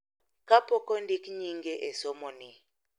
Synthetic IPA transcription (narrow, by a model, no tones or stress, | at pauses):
kapʰɔkɔndikɲiŋɡɛʔɛsɔmɔni